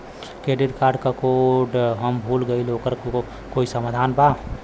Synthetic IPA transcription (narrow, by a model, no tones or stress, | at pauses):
keɖiɖkaːɾɖkakoɖɦəmbʱuːlɡəilokəɾ | koisəmaːd̪ʱanba